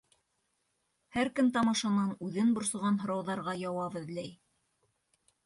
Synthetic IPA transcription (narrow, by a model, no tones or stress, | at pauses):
hæɾkɘmt̪ɑmɑʃɑnɑnʉðɘnbŏɾsɤ̆ʁɑnɦŏɾɑwðɑɾʁɑjɑwɑβɤ̆ðlæj